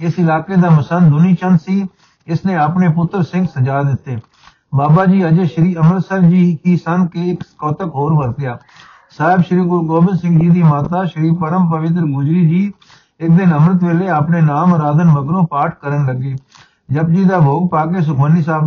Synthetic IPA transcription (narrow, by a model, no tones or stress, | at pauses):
ɪsɪlaːkeːd̪aːməsənd̪ʊniːt͡ʃənd̪siː | ɪsneːaːpɳeːpʊt̪ːɾsɪ̃ŋɡsəd͡ʒaːd̪ɪt̪ːeː | baːbaːd͡ʒiːəd͡ʒəʃəɾiːəmɾət̪səɾd͡ʒiːkiːsənkeɪkkɔːt̪əkɦoːɾʋəɾt̪ɪjaː | saːɦɪbʃəɾiːɡʊɾɡoːbɪnsɪ̃ŋɡd͡ʒiːd̪iːmaːt̪aːʃəɾiːpəɾəmpəʋɪt̪̬ɾɡʊd͡ʒɾiːd͡ʒiː | ɪk̚d̪ɪnəmɾət̪ʋeːleːapneːnaːməɾaːd̪ənməɡɾõːpaːʈ̚ʰkəɾənləɡeː | d͡ʒəp̚d͡ʒiːd̪aːbʱoːɡ̚paːk̬eːs̬ʊkʰənːiːsaːb